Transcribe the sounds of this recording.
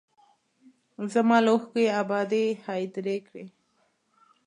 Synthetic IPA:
zamɑloxkeabɑd̪ehɑjd̪ɾekɽe

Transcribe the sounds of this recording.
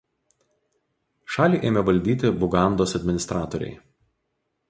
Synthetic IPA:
ʃɑːlʲiːʔeːmʲɛʋɐlʲd̪ʲiːt̪ʲɪbʊɡɑˑnd̪oːsɐd̪ʲmʲɪnʲɪst̪ɾɑːt̪oɾʲɛ̰ɪ

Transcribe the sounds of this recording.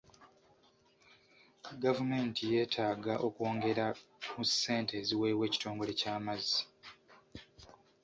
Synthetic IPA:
ɡavume̞ntije̞ːtʰaːɡaʔo̞kuo̞ːŋɡe̞ɾamuse̞ːnteziwe̞ːwe̞ːci̥to̞ːŋɡo̞le̞caːmazːi̥

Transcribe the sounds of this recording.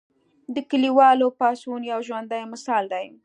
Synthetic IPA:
d̪əkəliwɑlopɑsunjawʒwand̪ajmɪsɑld̪aj

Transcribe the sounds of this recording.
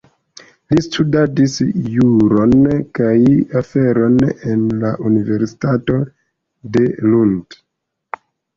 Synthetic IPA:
listʰudadisjuɾo̞nkajafe̞ɾo̞ne̞nlaʔunive̞ɾsi̥tato̞ | de̞lund

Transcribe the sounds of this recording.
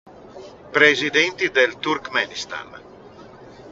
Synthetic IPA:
pɾezid̪ɛnt̪id̪elt̪uɾkmɛnist̪a̰n

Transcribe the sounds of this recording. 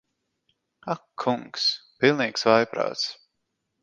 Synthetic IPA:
akʰːuŋkspilˠniːksvajpɾa̰ːt̪s

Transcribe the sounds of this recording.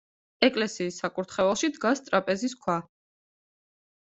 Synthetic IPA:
ɛkʼlɛsiːsːakʼuɾt̪ʰχɛvɛlˠʃid̪ɡast̪ʼɾapʼɛzis̬kʰwa

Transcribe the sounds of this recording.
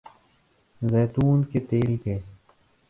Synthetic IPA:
zɛːt̪uːnket̪eːlkeː

